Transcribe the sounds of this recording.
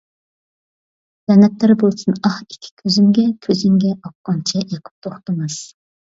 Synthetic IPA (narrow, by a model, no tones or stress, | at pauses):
z̥ɛnɛt̪læɾbolˠsunɑhi̥kʲʰːi̥kʲʰøzyŋɡʲɛkʲʰøzyŋɡʲɛɑp̚qɑnt͡ʃʰɛʔekʲʰy̥p̚t̪ʰoχt̪ɨmɨz̥